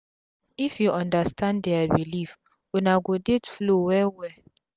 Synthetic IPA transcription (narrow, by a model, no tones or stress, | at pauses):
ifjuʔɔ̃ndastʰãndɛabilif | unaɡodetflowɛwɛ